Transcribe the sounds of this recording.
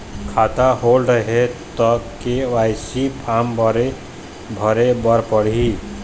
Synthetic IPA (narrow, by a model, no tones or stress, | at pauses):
kʰaːt̪aɦoːlɖəɦet̪ɔkeʋaːjsipʰaːmbɾe | bʱəɾebəɾpəɽ̤i